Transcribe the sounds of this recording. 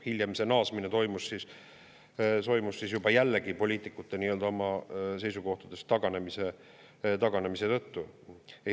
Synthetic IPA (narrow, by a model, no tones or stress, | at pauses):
hiljɑmise̞nɑːsminet̪o̞jmussis | t̪o̞jmusːisjubɑjælːekipo̞lʲiːt̪ːˑikːˑut̪ːˑeniːø̞ld̪ɑo̞mɑse̞jsuko̞ht̪ud̪̥e̞st̪ɑɡ̥ɑne̞mise | t̪ɑɡ̥ɑne̞mise̞t̪ɤ̞t̪ːu